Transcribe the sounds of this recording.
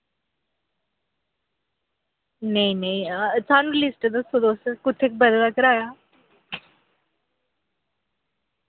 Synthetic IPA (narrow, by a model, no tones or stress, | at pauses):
neĩnɐĩt͡sãnlisʈd̪əsod̪oːsəkʊt̪ʰːek̚bəd̪lakəɾaːja